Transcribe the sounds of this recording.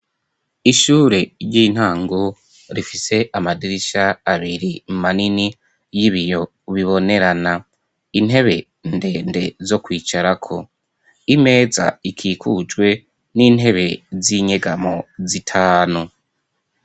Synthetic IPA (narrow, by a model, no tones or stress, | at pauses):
iʃuːɾeɾɟin̥haːŋɡo | ɾifise̞ʔamadiɾiʃaːβiɾimanini | jiβijo̞ | βiβo̞ne̞ɾana | in̥ɦe̞βe̞ | nde̞ːnde̞zo̞kwiːt͡ʃaɾakʰo̞ | ime̞ːza̰ikʰiːkʰud͡ʒɡwe̞ | niːn̥ɦe̞βe̞ziɲe̞ɡamo̞zitʰaːnu